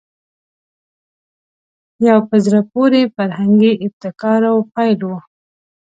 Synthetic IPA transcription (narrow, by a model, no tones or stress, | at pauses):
jawpəzɾapoɾefaɾhaŋɡiʔɪb̚t̪ɪkɑɾawpɑjlwu